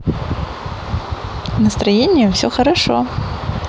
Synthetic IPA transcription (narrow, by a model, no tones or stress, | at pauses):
nɐst̪ɾɐjenʲːɪjʊfsʲɔxɐɾɐʂɔ̰